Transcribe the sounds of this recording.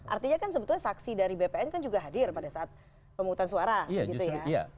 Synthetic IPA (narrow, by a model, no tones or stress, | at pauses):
ʔa̰rt̪iɲakans̬əbət̪ulɲasaksidaɾibepeɛnkand͡ʒuɡaɦadɪrpadasaat̪̚ | pəmukut̪ansuaɾaaɡit̪ujaja̰